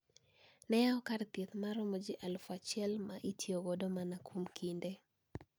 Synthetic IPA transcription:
nɛjaɔkaɾt̪et̪maɾɔmɔd͡ʒɪʔalfat͡ʃɛlmaʔitjoɡɔdomanakʰumkʰinde

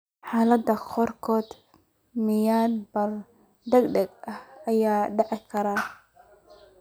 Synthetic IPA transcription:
ħaːlɐd̪ɐqʰɔrkʰɔːd̪ | mɪjaːnbɐr | d̪ɛɡɖɐɡʔɐhʔɐjaːɖɑʕɪkʰɐɾaː

